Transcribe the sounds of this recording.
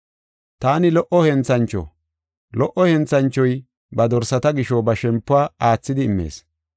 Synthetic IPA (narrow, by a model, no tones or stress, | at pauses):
t̪aːnɪlɔʔɔhɛnt͡sɐnt͡ʃːɔ̰ | lɔʔːɔhɛnt͡sɐnt͡ʃːɔj | bɐd̪ɔɾsɐt̪ɐɡɪʃɔbɐʃɛmpːʊaːaːt͡sːɪd̪ɪːmːe̞̰ːs